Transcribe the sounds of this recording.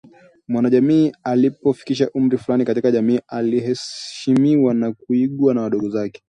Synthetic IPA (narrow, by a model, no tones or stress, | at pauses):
mwanaʄamiːalipɔfi̥kiʃaʔum̩ɾifulanikatikaʄamiːʔaliɦɛʃimiwanakuiɠwanawaɗɔɠɔzakɛ̥